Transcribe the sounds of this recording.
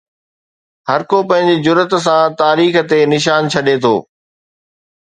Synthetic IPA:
ɦɐɾkopɐ̃ɦɪ̃ɲd͡ʑid͡ʑʊɾət̪s̬ãt̪aːɾiːxt̪enɪʃ̬aːnt͡ɕʰɐɗet̪ʰo̰ː

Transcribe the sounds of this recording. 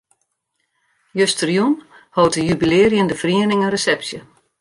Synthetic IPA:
jøstərjun | hoːtəjybileːrjəndəfriənɪŋənrəsɛpsjə

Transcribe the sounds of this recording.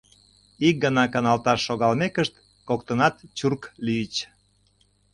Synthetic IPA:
ik̚ɡənɑkɑnɑlt̪ɑʃːoɣɑlmekəʃt̪ | kok̚t̪ənɑt̪t͡ɕurklyət͡ɕ

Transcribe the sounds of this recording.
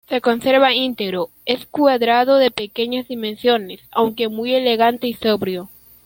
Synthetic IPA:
se̞ko̞nseɾβaint̪eɣɾo | eskwaðɾaðo̞ðepeke̞ɲazðimẽnsjo̞nesa̰wŋke̞muje̞le̞ɣant̪e̞isoβɾjo̞

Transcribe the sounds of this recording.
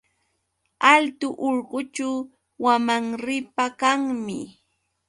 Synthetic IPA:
alt̪ʊʔoɾɢʊt͡ʃaw | wamaŋɾɪpakaŋmɪ̰

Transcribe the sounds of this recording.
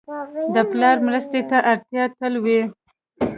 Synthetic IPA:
d̪əplɑɾmɾəst̪et̪aʔaɾt̪jɑt̪əlwe

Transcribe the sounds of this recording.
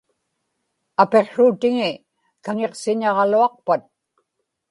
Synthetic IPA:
ape̞qʂuːt̪ɪŋɪ | kaŋe̞qsɪɲɑʁɑluɑq̚pat̪̚

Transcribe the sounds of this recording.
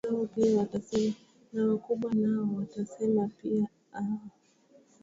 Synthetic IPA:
aɔpiawatasɛ | nawakuɓwanaɔwatasɛmapia | a

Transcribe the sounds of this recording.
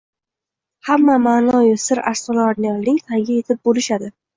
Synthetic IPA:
hamːamaːnɒjʊsɪɾa̰ɾsɒlaɾnɪjɒllɪŋʲt̪ʰaŋɡʲaje̞t̪ʰɪp̚bolɪʃad̪ɪ

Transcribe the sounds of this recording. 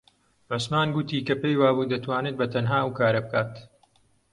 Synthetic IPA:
ʕʊsmaːnɡʊt̪iːkɐpejwaːbuːd̪ɐt̪ʰwaːnet̪̚bɐt̪ʰɐnɦaːʔɐwkaːɾɐbɨkʰaːt̪

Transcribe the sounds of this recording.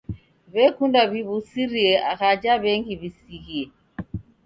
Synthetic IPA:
βɛkundaβiβusiɾiɛʔaɣad͡ʒaβɛŋɡiβisiɣiɛ

